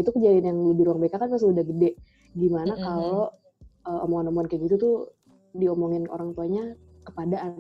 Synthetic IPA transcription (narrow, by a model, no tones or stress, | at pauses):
it̪ukəd͡ʒadinjaŋlubɪɾuaŋbekakanpas̬udahɡədɛʔ | ɡimanakaloʔ | əomɔŋanomoŋankaaɡit̪ut̪u | diomoŋɪno̰ɾaŋt̪uaɲa | kəpadaʔːn